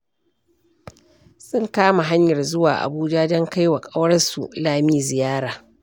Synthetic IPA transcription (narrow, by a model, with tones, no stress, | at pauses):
sʊ˦ŋkaː˦ma˨ɦa˦ɲjɐ˨rzʊ˦waː˨ʔa̰˨buː˦d͡ʒa˦dɔ˦ŋka˦jwa˨kʼa˦wɐ˦sṵ˨laː˦˨miː˦zɪ˨jaː˦ɽaː˨